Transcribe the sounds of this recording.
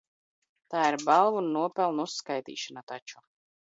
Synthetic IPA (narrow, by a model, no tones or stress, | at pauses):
t̪aːiɾbalˠvunːuɔpɛlˠnusːkajt̪ḭːʃanat̪at͡ʃu